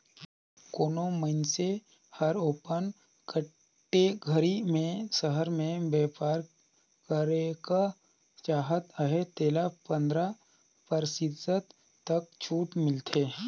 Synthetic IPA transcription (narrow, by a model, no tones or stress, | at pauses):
koːnoməɪnse | həɾoːpən | kə | ʈːeɡʱəɾimẽsəɦəɾmẽbɛːpaːɾ | kəɾeka | t͡ʃaːɦət̪əɦet̪eːlapə̃nd̪ɾa | pəɾsɪd̪ːət̪ː | ɐk̚t͡ʃʰuːʈmɪlt̪ʰeː